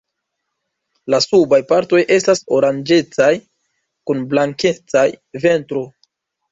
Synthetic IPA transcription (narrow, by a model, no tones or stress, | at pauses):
lasubajpaɾto̞jʔe̞staso̞ɾand͡ʒe̞t͡saj | kunblaŋke̞t͡sajve̞ntɾo̞